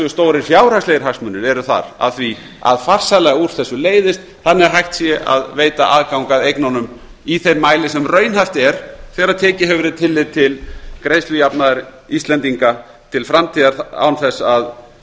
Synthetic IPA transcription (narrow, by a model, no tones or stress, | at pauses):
ʏst̪oːwɾɪɾ̥fjaːwɾ̥hakslejɪɾ̥ɦaksmʏnːɪɾɛɾʏθa̰ɾa̰ðθvi | a̰ðfar̥salɛɣauɾ̥θɛsːʏleːjðɪst̪ | θanːɪɛ̥ɦajxt̪sjɛʔa̰ðveːjt̪aʔaːðkawŋkaðejknawnʏm | iθejɾmaːjlɪsɛmrœːɥnhaft̪ɛɾ̥θɛːɣaɾaðt̪ʰɛːcɪɦɛvɾɪt̪ʰɪlːɪðt̪ʰɪlkɾeːjslʏjapnaðɪɾist̪lɛnt̪iŋka | t̪ʰɪlfɾamt̪ʰiːðaɾa̰wnθɛsːað